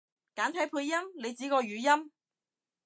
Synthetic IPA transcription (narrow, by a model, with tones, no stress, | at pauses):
kaː˨˥nt̪ʰɐ˨˥jpʰuː˧jːɐ˥mle˨˧jt͡siː˨˥kɔː˧ɥyː˨˥jɐ˥m